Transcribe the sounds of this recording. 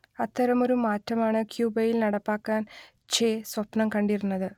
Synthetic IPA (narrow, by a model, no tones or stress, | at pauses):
ɐt̪ːɐɾɐmo̞ɾumaːtːɐmaːɳɨkjuːbɐjilnɐɽɐpːaːkːaːn | t͡ɕeːsʋɐpnɐmkɐɳɖiɾunːɐðɨ